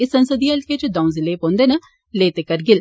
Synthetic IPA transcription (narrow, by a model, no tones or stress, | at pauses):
ɪsə̃nsəd̪iɐlket͡ʃəd̪ãːũzɪleːpõːnd̪eːnə | leːt̪eːkəɾɡɪl